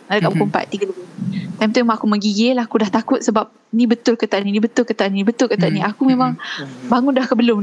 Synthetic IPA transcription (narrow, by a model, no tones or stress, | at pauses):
ŋadakaʔbukumpa̰t̪̚t̪ːiɡədubənit̪ajmt̪ajmaakuməɡiɡelaakudaht̪akʊt̪̚səbap̚ | nĩbət̪ʊlkət̪aʔninibət̪ʊlkət̪aʔniibət̪ʊlkət̪aʔ̚nĩakumemaŋbaŋʊndahkəbəlʊm